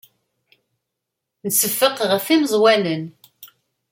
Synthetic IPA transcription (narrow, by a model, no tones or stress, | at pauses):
nəsəfːəqʁəfiməzˤwælən